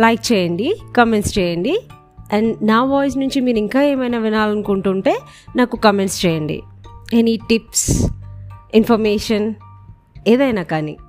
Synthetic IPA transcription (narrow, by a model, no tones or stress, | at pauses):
lɐjk̚t͡ʃɛːjɐɳɖikɐmeɳʈst͡ʃɛːjɐɳɖi | ɐɳɖnaːʋɔːjs̬nuɲt͡ʃimiːɾiŋkaːeːmɐjnaːʋinaːlɐnukuɳʈuːɳʈe̞ː | naːkukɐmeɳʈst͡ʃɛːjɐɳɖḭeniʈips | infʰɐɾmeːʂɐn | eːd̪ɐjnaːkaːnḭ